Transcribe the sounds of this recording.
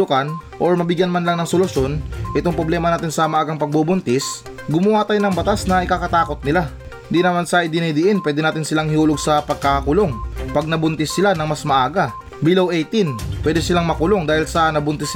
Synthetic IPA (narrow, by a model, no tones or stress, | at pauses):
ʊkɐnʔoɹmɐbɪɡjɐnmanlaŋnɐŋsolʊsjo̞nʔɪt̪oŋpɾoblɛːmɐnaːt̪ɪnsɐmɐʔaːɡɐŋpɐɡ̚bubʊnt̪ɪs | ɡʊmʊwaːt̪ɐjnɐŋbɐt̪asnɐʔɪkakɐt̪aːkot̪̚nɪla | ɪnd̪inɐmansɐʔɪd̪ɪnɐjd̪ɪʔɪnpwɛːd̪ɛnaːt̪ɪnsɪlaŋhɪhuːloɡ̚sɐpɐɡ̚kakʊloŋpɐɡ̚nɐbʊnt̪ɪsːɪlanɐŋmasmɐʔaːɡɐ | bilowʔɛjt̪inpwɛːd̪ɛsɪlaŋmɐkʊlo̞ŋd̪aːhɪlsɐnɐbʊnt̪ɪs